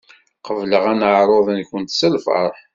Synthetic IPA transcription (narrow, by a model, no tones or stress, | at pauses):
qəvləʁænəʕɾˤoðˤənkənt̪səlfə̰ɾˤ